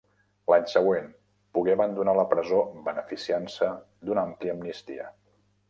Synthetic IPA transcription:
laɲsəɣ̞wen | puɣeəβənd̪unaləpɾəzobənəfisiansə | d̪unəampliəmnist̪ḭə̰

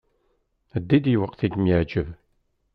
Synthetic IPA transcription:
əd̪ːid̪jwəqːθiɡmjəʕd͡ʒəv

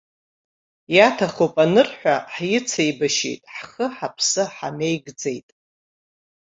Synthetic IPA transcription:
jatʰaχowpʼanɨrħʷᶣaħjɪt͡sʰejbaʃḛjtʼħχəħapʰsɨħa̰nejɡd͡zejtʼ

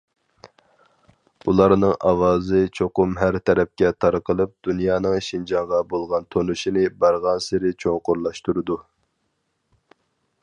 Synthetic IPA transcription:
ulˠɑɾnɨŋʔɑ̰wɑːzɨt͡ʃʰoqʊmɦæɾt̪ʰɛɾɛp̚kʲɛt̪ʰɑɾqəlˠɨp̚d̪̥unjɑːnɨŋʃind͡ʒɑŋʁɑbolˠʁɑnt̪ʰonuʃinɪbɑɾʁɑnsɪɾɪt͡ʃʰoŋqʊɾlˠɑʃt̪uɾɨd̪u

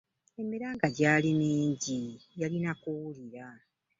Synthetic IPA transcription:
e̞miɾaːŋɡaɟaːlineːɲɟijalinakuwuliɾa

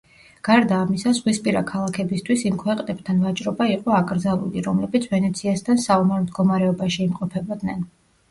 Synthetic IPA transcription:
ɡ̥aɾd̪aːmisazʁwispʼiɾakʰalˠakʰɛbist̪ʰwisimkʰwɛqʼnɛb̥̚t̪ʰanvat͡ʃʼɾɔbaiqʼɔakʼɾd̪zalˠṵliɾɔmlɛbit̪sʰvɛnɛt̪sʰiast̪ʰansavɔmɛɾmd̪ɡɔmaɾɛɔbaʃiːmqʼɔpʰɛbɔd̪nɛn

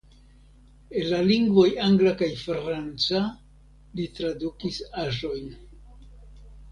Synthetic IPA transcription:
e̞nlaliŋɡvo̞jaŋɡlakajfɾant͡sa | litɾadukisaʒo̞jn

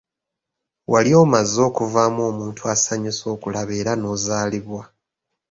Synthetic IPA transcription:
waljo̞ːmazːo̞ːkuvaːmo̞ːmuːntʰuasaɲeso̞ːkulaβe̞ːɾano̞ːzaːliβwa

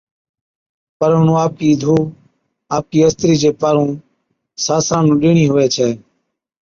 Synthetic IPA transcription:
pəɾɦʊnũːaːp̚kiːd̪ʱuː | aːp̚kiːəst̪ɾiːd͡ʒeːpaːɾũː | saːsãːnũːɗɪːɳiːɦʊʋeːt͡ʃʰɛː

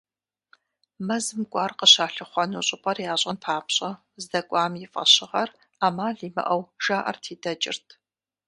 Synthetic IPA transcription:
mɐzɨmkʷʼɑːrqəɕaːɬɨχʷɔnuːɕʼʊpʼɐrjaːɕʼɐnpʰaːpɕʼɐ | zdɐkʷʼɑːmjɪfʼɐ̰ɕɪʁɐr | aːmaːɮiːmɐ̰ʔɐwʒ̥aːʔɐ̰rtʰiːdɐt͡ʃʼɪ̰rtʰ

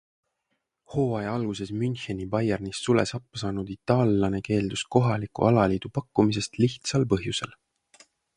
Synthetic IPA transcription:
ho̞ːɑjɑlɡ̥use̞smynʲçenʲibɑjernisːule̞̰sɑpːɑsɑːnud̪̥it̪ˑːɑːlːɑne̞ke̞ːld̪̥usko̞ɦɑlikˑṵʔɑlɑliːd̪̥upɑkːˑumis̬e̞st̪liht̪sɑlpɤɦjuse̞l

